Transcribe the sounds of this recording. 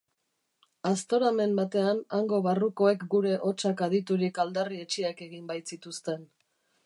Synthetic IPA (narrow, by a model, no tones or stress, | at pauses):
ast̪o̞ɾame̞mbat̪e̞anaŋɡo̞βaruko̞e̞kɡuɾe̞ʔo̞t͡ʃakaðit̪uɾikald̪arie̞t͡ʃiake̞ɣimbajt̪sit̪ust̪e̞n